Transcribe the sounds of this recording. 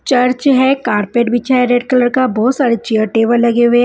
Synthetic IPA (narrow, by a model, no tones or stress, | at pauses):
t͡ʃɐɾt͡ʃɦɛkaːɾpeːʈbɪt͡ʃʰaɦeɾeːɖkələɾkabɔːt̪saːɾet͡ʃiəʈeːʋəɾlɐɡeʊe